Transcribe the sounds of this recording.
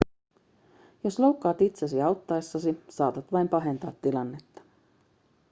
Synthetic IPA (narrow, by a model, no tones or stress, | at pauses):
jo̞slowkːɑːt̪it̪sesiɑwt̪ːɑesːɑsisɑːt̪ɑt̪ʋɑjmpɑɦe̞nt̪ɑ̰ːt̪ːilɑnːe̞t̪ːɑ̥